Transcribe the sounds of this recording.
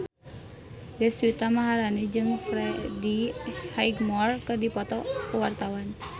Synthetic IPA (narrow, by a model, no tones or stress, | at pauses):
dɛswit̪amaɦaɾanɛd͡ʒɨŋfɾɛdihaiɡmɔrkɨrdipɔt̪ɔuwart̪awan